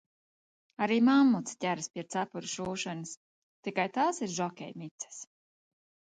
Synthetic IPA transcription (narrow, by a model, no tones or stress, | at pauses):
aɾiːmamːut̪scʲæɾɨspʲiɛt̪sapuɾuʃuːʃɔnɨs | t̪ikajt̪aːsiɾʒɔkʲɛ̰jmit̪sɛ̥s